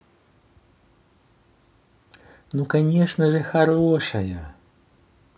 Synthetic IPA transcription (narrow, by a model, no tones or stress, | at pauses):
nukanʲɛʂnɐʐɛxaɾɔʂɐjɐ